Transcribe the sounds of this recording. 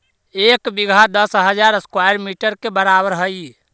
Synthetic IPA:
ekbiɡʱad̪əsɦəd͡ʒaɾəskwajəɾmiʈəɾkebəɾabəɾɦəj

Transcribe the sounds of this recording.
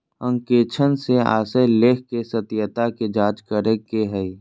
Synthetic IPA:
ə̃ŋkeːt͡ʃʰənsea̰ːsəleːkʰkesət̪jət̪aked͡ʒaːd͡ʒkəɾəkːeɦəi

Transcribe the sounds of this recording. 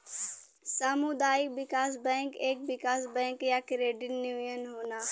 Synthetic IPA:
samud̪aːibɪkaːsbɛ̃ːŋkeːk̚ʋɪkaːsbɛ̃ːŋkjaːkɾeːɖɪnjuːjənɦoːnaː

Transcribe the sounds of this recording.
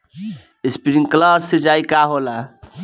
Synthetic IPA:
espiɾiŋkləɾsed͡ʒajkaɦola

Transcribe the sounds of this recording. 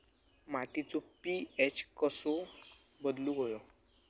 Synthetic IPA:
maʈit͡sɔpiet͡ɕkəsɔbəd̪luɦojɔ

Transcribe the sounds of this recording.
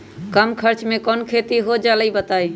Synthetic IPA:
kəmkʰəɾt͡ʃmekɔnkʰet̪iɦod͡ʒaləibət̪aj

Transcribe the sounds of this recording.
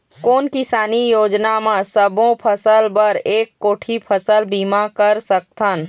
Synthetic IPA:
koːnkɪsaːnijoːd͡ʒnamãsəbõpʰɐsəlbɐɾeːkːoːʈʰipʰəsəlbiːmakɐɾsək̚t̪ʰən

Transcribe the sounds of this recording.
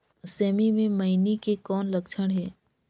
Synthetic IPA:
sɛːmimẽmɐinikekɔːnlɐkʃʰəɽ̃ɦɛː

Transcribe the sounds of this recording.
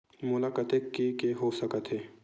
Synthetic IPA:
mʊlaːkət̪ekːekeɦosəkət̪ɦɛː

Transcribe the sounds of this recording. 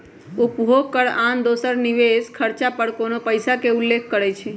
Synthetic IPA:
upbʱoɡ̚kəɽand̪osəɾniʋeskʰəɾt͡ʃapəɽkonopəjsakeulːekʰkəɾɛt͡ʃʰi

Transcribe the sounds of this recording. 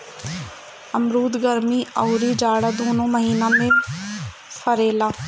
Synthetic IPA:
əmɾuːd̪ɡəɾmiːəuːɾiːd͡ʒaːɽaːd̪oːnõːməɦiːnãːmẽː | pʰəɾeːlaː

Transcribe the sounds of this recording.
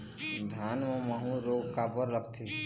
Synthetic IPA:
d̪ʱanməməɦũɾoɡkapəɾːəkʰt̪ʰi

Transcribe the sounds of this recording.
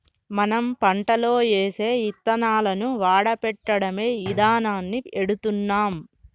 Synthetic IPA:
mɐnɐmpɐɳʈɐlo̞ːt͡ʃeːse̞ːit̪ːɐnaːlɐnuʋaːɽɐpɛʈːɐɽɐme̞ːʋid̪aːnaːnːieɽut̪unːaːm

